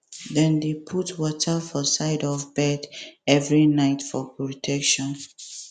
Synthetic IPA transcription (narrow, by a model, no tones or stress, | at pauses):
ðɛ̃ndepʰutwɔtʰəfɔsaɪdɔvbɛdɛvɹinaɪtfɔpɹotʰɛkʃɔ̃n